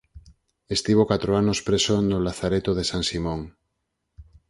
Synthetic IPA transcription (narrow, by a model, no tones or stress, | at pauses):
est̪iβokat̪ɾoanospɾesonolaθaɾet̪oð̞esansimõŋ